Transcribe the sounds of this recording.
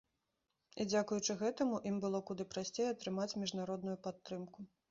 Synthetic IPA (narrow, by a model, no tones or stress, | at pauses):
id͡zʲakujut͡ʂɨɣɛt̪ɐmuʔimbɨlˠɔkud̪ɨpɾasʲt͡sʲejɛɐt̪ɾɨmat͡sʲmʲiʐnaɾɔd̪nujupat̪ːɾɨmku